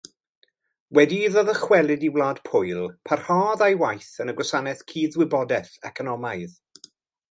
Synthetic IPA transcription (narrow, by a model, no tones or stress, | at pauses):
wɛdiðɔðəχwɛlˠɪdiwlaːd̥pʰʊjlˠpʰar̥haːðajwajθənəɡwɔsanɛθkʰiːðwɪbɔdɛθɛkʰɔnɔmaɨð